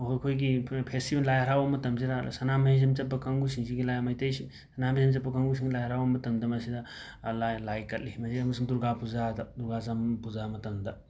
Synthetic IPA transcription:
ɦoɾkʰojɡipʰestibenlajɐɾawɐmɐtɐmziɾa̰sɐnamiis̬emt͡ʃɐpːɐkɐŋɡusiŋsiɡilajmɐjtɐjsi | sɐnamisemt͡ʃɐpːɐkɐŋɡusiŋilajaɾawɐmɐtɐmdɐmɐsidɐ | lajlajkɐtlihimɐziɐmɐsuŋduɾɡapuzad̪ɐd̪uɾɡazampuzamɐtɐmd̪ɐ

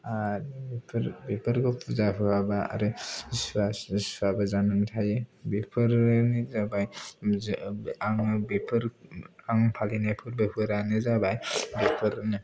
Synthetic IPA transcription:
abipʰɾbepʰɯɾkʰɔpʰuzapʰɯkʰabaa̰ɾɯsaswabazanɯŋtʰajebepʰɯɾnizabaj | aŋbepʰɯɾaŋpʰalinapʰɯɾbepʰɯɾanezabajbepʰɯɾnɯ

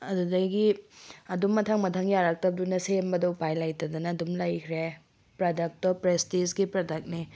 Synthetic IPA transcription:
ɐdudɐjɡiɐdumːɐtʰaŋmɐtʰaŋjaɾak̚tɐb̚dunɐsembɐdɐupajlajtɐdɐnɐːdumlɐjkʰɾe | pɾɐdɐk̚tɔpɾestisɡipɾɐdɐk̚ni

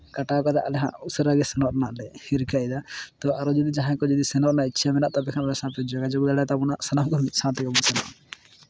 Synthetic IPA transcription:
kaʈakɔd̪a̰ʔalɛɦã̰ʔusɾaɡɛsɛnɔʔnaʔlɛhiɾkajd̪at̪ɔaɾɔd͡ʒɔd̪id͡ʒaɦãkɔd͡ʒɔd̪isɛnɔʔnaitːt͡ʃʰamɛnaʔt̪abɛkʰanɛsãpɛd͡ʒɔkad͡ʒɔɡud̪aɽat̪abɔnaʔsɛnamkɔmit̪̚ˀsʰãt̪ikɔbɔnsɛna̰ʔ

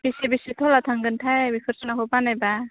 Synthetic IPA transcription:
bisibisit̪ʰɔlat̪ʰaŋɡɯntʰajbikʰɯɾsɔnakʰɔbanajba

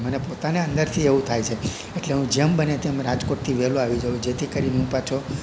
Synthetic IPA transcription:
mənepot̪aneə̃nd̪əɾt̪ʰieʋũt̪ʰajt͡ʃʰe | eʈleɦũd͡ʒembənet̪emɾad͡ʒkoʈ̚t̪ʰiʋɛlũaʋid͡ʒəʋũd͡ʒet̪ʰikəɾineɦũpat͡ʃʰo

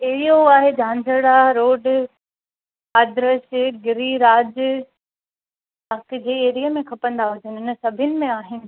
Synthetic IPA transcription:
eɦijoaːɦed͡ʑʱãːnzʱəɽaɾoːɖ | aːd̪ɾəʃɪɡɪɾiɾaːd͡ʑ | ɐkd͡ʑeːeːɾijəmẽkʰɐpə̃nd̪aɦʊd͡ʑənɪ̆ɪnəsɐbʱɪnɪ̆mẽaːɦɪnɪ̆

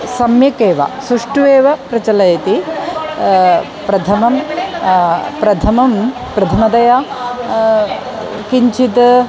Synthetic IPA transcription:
sɐmjɐkeːʋɐ̰sɾuʂʈuʋeːʋɐpɾɐt͡ʃɐlɐjɐt̪i | pɾɐt̪ʰɐmɐm | pɾɐt̪ʰɐmɐm | pɾɐt̪ʰɐmɐd̪ɐja | kiɲt͡ʃʰit̪

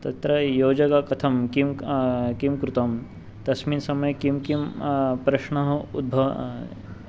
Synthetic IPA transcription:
t̪ɐt̪ɾɐjoːd͡ʒɐkakɐt̪ʰɐmkimkimkɾut̪ɐm | t̪ɐsmiːnsɐmɐjkimkimpɾɐʃɳɐɦɐud̪̚bʱɐʋ

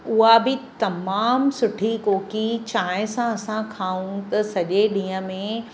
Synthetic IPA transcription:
ʊɦabʱɪt̪ɐmaːmsʊʈʰikoːkit͡ɕaːɪ̃sãɐsãkʰaːũt̪ɐsɐʄeɗĩːə̃mẽ

